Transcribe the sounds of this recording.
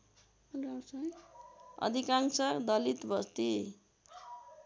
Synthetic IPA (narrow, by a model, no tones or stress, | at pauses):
ɡawsajʌ̰d̪ʱikaŋsʌd̪ʌlit̪bʌst̪i